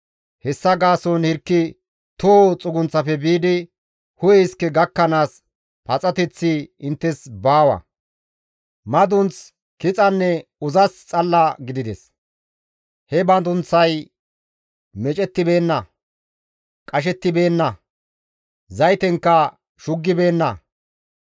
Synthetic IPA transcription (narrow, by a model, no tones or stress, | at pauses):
hɛsːɐɡaːsɔnhɪɾkːɪ | t̪oːt͡sʼʊɡʊnt͡sːɐfɛbiːd̪ɪ | hʊjɛɪskːɛɡɐkːɐnaːs | pɐt͡sʼɐt̪ɛt͡sːiɪnt̪ːɛsbaːwɐ̰ | mɐd̪ʊnt͡s | kɪt͡sʼɐnːɛʊzɐst͡sʼɐlːɐɡɪd̪ɪd̪ɛs | hɛbɐd̪ʊnt͡sːɐj | mɛt͡ʃʼɛt̪ːɪbe̞ːnːɐ | kʼɐʃ̬ɛt̪ːɪbe̞ːnːɐ | zɐjt̪ɛŋkːɐ | ʃʊɡːɪbe̞ːnːɐ